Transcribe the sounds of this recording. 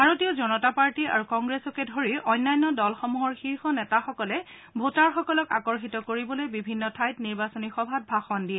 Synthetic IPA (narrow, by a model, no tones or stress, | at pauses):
bʱaɹotijɔzɔnɔtapaɹtia̰ɹukɔŋɡɹesɔkɛdʱoɹiʔɔjnːajnːɔdɔlxɔmuɦɔɹxiɹxɔnɛtaxɔkɔlɛ | bʱotaɹxɔkɔlɔka̰kɔɹxitɔkoɹibɔlojbibʱinːɔtʰajtniɹbasɔnixɔbʱat̚bʱaxɔndiɛ